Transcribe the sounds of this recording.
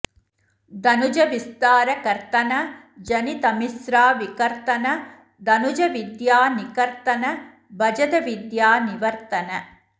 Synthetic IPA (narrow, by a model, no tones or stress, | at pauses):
d̪ɐnud͡ʒɐʋist̪aːɾɐkɐɾt̪ɐnɐ | d͡ʒɐnit̪ɐmisɾaːʋikɐɾt̪ɐnɐ | d̪ɐnud͡ʒɐʋid̪jaːnikɐɾt̪ɐnɐ | bɐd͡ʒɐd̪ɐʋid̪jaːniʋɐɾt̪ɐnɐ